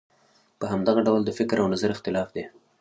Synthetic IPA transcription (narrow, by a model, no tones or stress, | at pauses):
pəɦamd̪aɣaɖawld̪əfɪkɾawnazaɾɪxt̪ɪlɑfd̪e